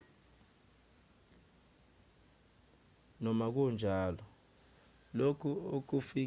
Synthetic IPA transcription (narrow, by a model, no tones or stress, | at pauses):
nɔmak̬und͡ʒʱaːlɔ | lokʰuok̬ufi